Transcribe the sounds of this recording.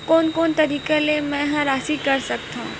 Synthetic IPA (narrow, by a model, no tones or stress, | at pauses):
koːnkoːnt̪ɐɾiːkelemɛ̃ɦãɾaːsikɐɾsɐk̚t̪aɦũː